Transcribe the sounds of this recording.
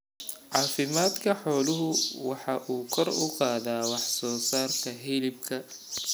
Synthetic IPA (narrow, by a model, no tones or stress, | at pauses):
ʕɑːfɪmaːd̪kʰɐħɔːlʊɦʊwɑħɑːʔuːkʰɔrʊqɑːðaːwɑħsɔːsaːrk̪ʰɐɦɪlɪb̚kʰɐ